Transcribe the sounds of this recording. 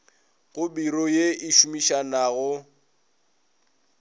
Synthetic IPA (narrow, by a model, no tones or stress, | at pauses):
ɣʊbiɾɔjeiʃumiʃanaɣʊ